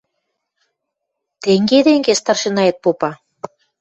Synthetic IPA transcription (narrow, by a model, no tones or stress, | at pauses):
t̪eŋɡed̪eŋɡest̪ɑrʃĕnɑjet̪̚popɑ